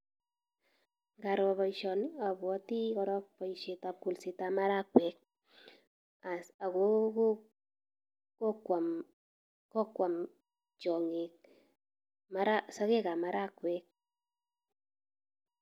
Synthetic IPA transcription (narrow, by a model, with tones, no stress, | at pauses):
ŋɡa˨ɾɔ˧βɔ˨iʃɔ˨na˨bwɔ˦ti˦kɔɾɔ˦k̚pɔ˨iʃe˨ta˨p̚ku˨lsi˨ta˨ma˦ɾa˦kwɛ˨k̚ | a˨a˨ko˦ko | ko˦kwa˨m | kɔ˦kwa˨m | t͡ʃɔ˨ŋe˨k̚ | ma˦ɾa˦sɔ˦ke˦ka˨ma˦ɾa˦kwɛ˨k̚